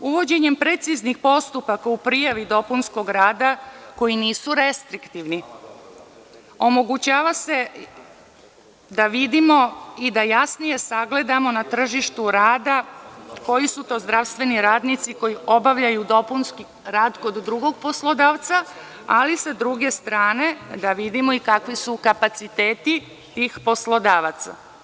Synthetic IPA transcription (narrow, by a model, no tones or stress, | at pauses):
uʋo̞d͡ʑe̞ɲe̞mpɾe̞t̪siznixpo̞st̪upakaupɾijaʋid̪o̞punsko̞ɡɾaːd̪ako̞jiniːsuɾe̞st̪ɾikt̪iʋni | o̞mo̞ɡut͡ɕaːʋase̞ | d̪aʋid̪imo̞id̪ajasnije̞saɡle̞d̪amo̞nat̪r̩ʒiʃt̪uɾaːd̪ako̞jisut̪o̞ːzd̪ɾaʋst̪ʋe̞niɾaːd̪nit̪siko̞jio̞baʋʎajud̪o̞punski | ɾaːd̪ko̞d̪ːɾuɡo̞ɡ̚po̞slˠo̞d̪aːʋt̪sa | alisad̪ɾuɡe̞st̪ɾaːne̞d̪aʋid̪imo̞ikakʋisukapat̪sit̪e̞ːt̪i | t̪iːxpo̞slo̞d̪aːʋat̪sa̰